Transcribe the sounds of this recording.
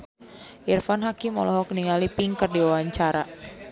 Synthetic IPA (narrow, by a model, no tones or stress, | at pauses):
ʔirfanɦakimɔ̰lɔɦɔkniŋalipiŋkərdiwawaɲt͡ʃaɾa